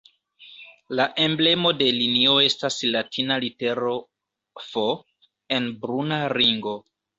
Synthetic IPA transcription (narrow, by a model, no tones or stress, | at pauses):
laʔe̞mble̞mo̞de̞linio̞e̞staslatʰinalite̞ɾo̞ | fo | e̞nbɾunaɾiŋɡo̞